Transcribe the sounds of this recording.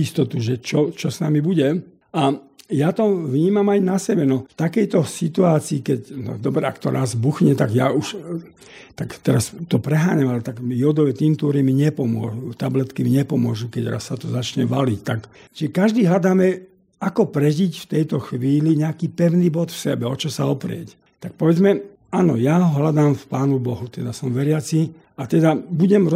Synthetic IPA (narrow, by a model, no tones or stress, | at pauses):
ist̪ɔt̪uʒɛt͡ʃɔt͡ʃɔsnamibuɟɛ | ʔajat̪ɔʋɲiːmamajnasɛbɛnɔft̪akɛjt̪ɔsit̪uaːt͡siːkɛcnɔ̰d̪ɔbɾɛakt̪ɔɾʔazbuxɲɛt̪aɡjauʃ | t̪akt̪ɛɾast̪ɔpɾɛɦaːɲamalɛt̪aɡmijɔd̪ɔʋɛt̪int̪uːɾimiɲɛpɔmʊɔ̰ʒut̪ablɛt̪kimiɲɛpɔmʊɔʒukɛɟɾa̰sːat̪ɔzat͡ʃɲɛʋalict̪ak | ʒ̥ɛkaʒd̪iːɦlad̪aːmɛ | akɔpɾɛʒicft̪ɛjt̪ɔxʋiːliɲɛakiːpɛʊnibɔt̪fsɛbɛɔt͡ʃɔsaɔpɾɪɛ̰c | t̪ak̚pɔʋɛd͡zmɛ | anɔjaɦɔɦlad̪aːmfpaːnubɔɦut̪ɛd̪asɔmʋɛɾɪat͡si | at̪ɛd̪abuɟɛm